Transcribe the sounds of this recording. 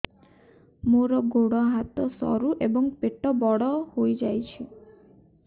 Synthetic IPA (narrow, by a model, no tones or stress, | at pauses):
moɾɔɡoɽɔɦat̪ɔsɔ̰ɾuʔebɔŋpeʈɔbɔɽɔhojd͡ʒajt͡ʃʰi